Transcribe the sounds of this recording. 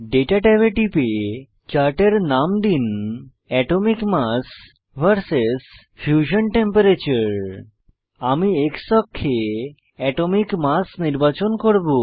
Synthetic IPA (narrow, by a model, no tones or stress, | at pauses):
ɖeʈaʈebeʈipe | t͡ɕaɾʈeɾnamd̪in | ɛʈomikmas | bʱəɾses | fjuʃonʈempeɾet͡ɕuɾ | amieksɔkʰːe | ɛʈomikmasniɾbat͡ɕonkoɾbo